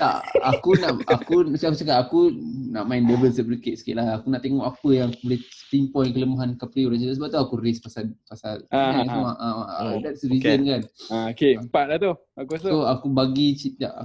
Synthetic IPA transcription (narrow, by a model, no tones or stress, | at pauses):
t̪a̰ʔa̰kunaʔakusakut͡ʃəkaʔakunaʔmaɪndəbəlsəɾikeʔ̪sə̥kḭʔlaakunaʔt̪eŋɔʔapəjaŋakubolɛst̪impɔjŋkələmaɦankapɾioɾaŋt͡ʃit̪asəbap̚t̪uakuɾɪspasapasalasamaʔədat̪sɾizənkanokempaʔlat̪o | akuoakubaɡit͡ʃit̪a̰ʔ